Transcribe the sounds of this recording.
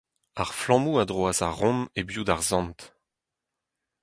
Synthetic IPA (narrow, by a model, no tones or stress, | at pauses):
aʁflɑ̃muad̪ʁoazaʁɔ̃mebjud̪aʁzɑ̃nt̪